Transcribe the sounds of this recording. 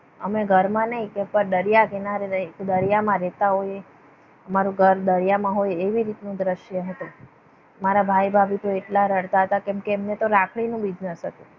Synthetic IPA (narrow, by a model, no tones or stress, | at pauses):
əmeɡʱəɾmãnəɦĩkɛpəɾd̪əɾjakenaɾeekd̪əɾjamãɾɛt̪aɦoje | əmaɾũɡʱəɾd̪əɾjamãɦojeʋiɾit̪nũd̪ɾəʃjəɦət̪ũ | maɾabʱajbʱabit̪oeʈlaɾəɽt̪aɦət̪akɛ̃mkeːmnet̪oɾakʰɽ̃inũbid͡ʒnəsɦət̪ũ